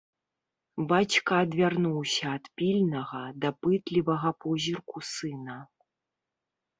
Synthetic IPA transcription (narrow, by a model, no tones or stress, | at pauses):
bat͡ɕkɐːd̪vʲarnuwsʲɐːt̪pʲilʲnɐɣɐd̪ɐpɨt̪lʲivɐɣɐpɔzʲirkusɨnɐ